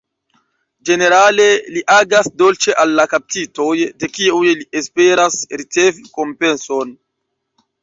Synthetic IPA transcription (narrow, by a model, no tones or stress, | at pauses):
d͡ʒe̞ne̞ɾale̞liʔaɡasdo̞lt͡ʃe̞ʔalːakap̚tito̞jde̞kiujlie̞spe̞ɾasɾit͡se̞viko̞mpe̞nso̞n